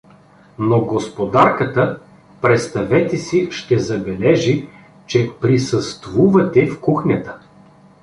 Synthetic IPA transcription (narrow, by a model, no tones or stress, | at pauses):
noɡospod̪aɾkət̪ə | pɾɛt̪st̪ɐvɛt̪ɛsiʃt̪ɛzɐbɛlɛʒi | t͡ʃɛpɾisəst̪vuvɐt̪ɛfkuxnʲət̪ə̥